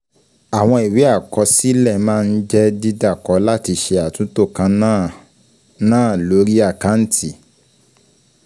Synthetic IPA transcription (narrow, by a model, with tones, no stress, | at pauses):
a˨w̃ɔ̃˧i˨wi˨˦a˦˨kɔ˧˦si˦lɛ˦˨mãː˦˧n̩˦d͡ʒɛ˦di˦da˦˨kɔ˨˦la˦ti˧ʃe˧a˨tũ˨˦to˦˨kã˧˦ | nãː˦˨lo˨˦ɾi˦a˦˨ka˨˦n̩˦tʰi˦˨